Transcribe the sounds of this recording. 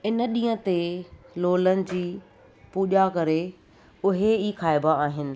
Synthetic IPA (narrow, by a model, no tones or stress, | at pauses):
ɪnə̆ɗĩːə̃t̪eloːlənɪ̆d͡ʑiː | puːʄakɐɾe | ʊɦeiːxaːɪbaaːɦɪnɪ̆